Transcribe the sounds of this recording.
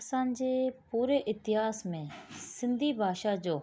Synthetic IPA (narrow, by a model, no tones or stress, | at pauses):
saːnd͡ʒeːpuːɾeːʔɪt̪ɪɦaːsmẽːsɪnd̪ʱiːbʱaːʃaːd͡ʒoː